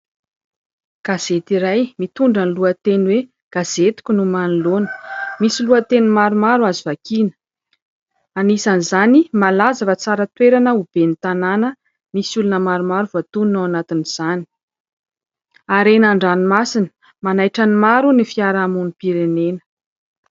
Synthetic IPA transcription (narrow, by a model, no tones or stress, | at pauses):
ɡ̥az̥et̪iɾajmit̪uɳɖ͡ʐanluət̪enwe | ɡ̥az̥et̪i̥kʲunumanilonə̥misiluət̪enimaɾumaɾuazivakinə̥ | anisanizanimalazavat͡saɾət̪weɾanəub̥enit̪ananə | misulunəmaɾumaɾuvoat̪uninawanat̪iniz̥ani̥ | aɾenaɳɖ͡ʐanimasinə̥ | manajʈ͡ʂanimaɾunifiaɾamunipiɾenenə̥